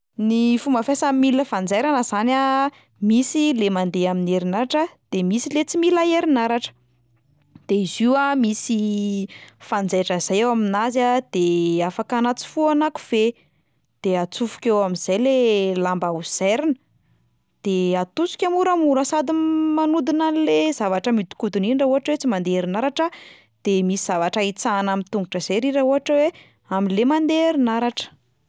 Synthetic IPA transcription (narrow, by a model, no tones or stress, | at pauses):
nifumbəfasamiləfand͡zejɾanəzana | misilemand̪eamineɾinaɾaʈ͡ʂəd̪̥emisilet͡similaeɾinaɾaʈ͡ʂə̥ | d̪̥eiziwamisi | fand͡zajʈ͡ʂəiz̥ajewaminazad̪̥eafakanat͡si̥fuanaku̥v̥e | d̪̥eat͡sufu̥kʲewamiz̥ajlelambauz̥eɾinə | d̪̥eat̪usi̥kʲamuɾamuɾasad̪imanud̪inanlezavaʈ͡ʂəmit̪i̥kud̪uninɳɖ͡ʐauɦaʈ͡ʂwet͡simand̪eɾinaɾaʈ͡ʂə | d̪̥emisiz̥avaʈ͡ʂait͡sanamint̪uŋɡuʈ͡ʂəz̥eɾiɾauɦaʈ͡ʂəwe | aminlemand̪eɾinaɾaʈ͡ʂə̥